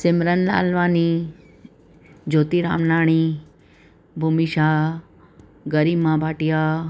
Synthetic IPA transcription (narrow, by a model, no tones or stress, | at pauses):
sɪmɾənla̰ːlʋaːni | d͡ʒoːt̪iɾa̰ːmnaːɳ̃i | bʱumiʃaː | ɡəɾimãbʱaːʈijaː